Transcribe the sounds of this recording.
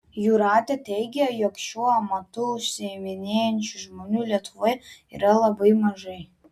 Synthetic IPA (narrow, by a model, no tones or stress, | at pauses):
juːɾɑːt̪ʲɛt̪ʲɛɪɡʲɛjoːkʃʲuɔɐmɐt̪ʊʊʃʲsʲɪɛmʲɪnʲeːjɛnʲt͡ʃʲʊʒmoːnʲuːlʲiɛt̪ʊʋoɪḭːɾɐlˠɐbɐɪmɐʒɐɪ